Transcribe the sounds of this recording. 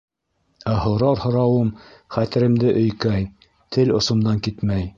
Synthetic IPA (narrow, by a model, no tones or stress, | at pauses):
æɦŏwɾɑɾhŏɾɑwɤmχæt̪ɘ̆ɾɘ̆md̪ɘʔɵ̆jkæj | t̪ʰɘlŏsŏmd̪ɑŋkit̪mæj